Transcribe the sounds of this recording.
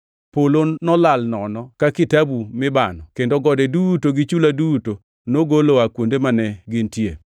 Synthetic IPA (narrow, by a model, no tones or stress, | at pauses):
polonɔlalnɔnɔkakɪtabumɪbanɔkendoɡɔdɛdutoɡɪt͡ʃuladuto | noɡoloakwondemanɛɡɪntje